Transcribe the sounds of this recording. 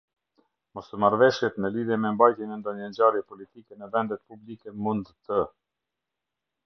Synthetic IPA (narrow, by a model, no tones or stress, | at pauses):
mɔst̪əmaɾvɛʃjɛt̪mɛliðjɛmɛmbajt̪jɛnɛnd̪ɔɲəɲd͡ʑaɾjɛpɔlit̪ikɛnɛvɛnd̪ɛt̪̚publikɛmund̪t̪ə